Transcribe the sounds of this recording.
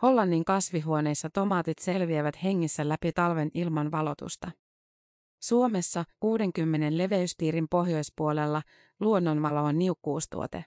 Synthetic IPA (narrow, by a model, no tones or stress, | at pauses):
ho̞lːɑnːiŋkɑsʋiɦuo̞ne̞jsːɑt̪o̞mɑːt̪it̪se̞lʋieʋæt̪he̞ŋːisːælæpit̪ɑlʋe̞nilmɑnʋɑlo̞t̪ṵst̪ɑ | suo̞me̞sːɑkuːde̞ŋkymːe̞ne̞nle̞ʋe̞yst̪iːɾimpo̞ɦjo̞jspuo̞le̞lːɑ | luonːo̞nʋɑloːnːiukːuːst̪ṵo̰t̪e